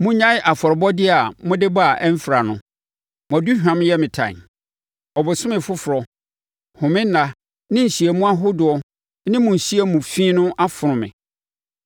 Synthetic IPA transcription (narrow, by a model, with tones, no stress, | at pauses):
mʊ̃˦ɲã˦ɪ˦ʔa˨fɔ˨ɾɪ˨bɔ˦dɪ˦a˨mʊ̃˦dɪ˦ba˨ʔɛ˦m̩˦fɾa˨nʊ̃˦ | m˨ɔ̃˨du˦hᶣã˨m˦jɛ˦mɪ̃˨tʰã̰˨ | ɔ˨bʊ˨sʊ̃˦mɪ̃˨fʊ˦fʊ˨ɾɔ˨ | hʊ̃˨mɪ̃˦n̩˦nã˦ | nɪ̃˦n̩˨ɕi˨e˨mũ˦a˦ɦʊ˦dʊ˨ɔ˨ | nɪ̃˦mʊ̃˨n̩˨ɕi˦e˦mũ˨fĩː˦nʊ̃˦ʔa˦fʊ˨ɾʊ̃˨mɪ̰̃˨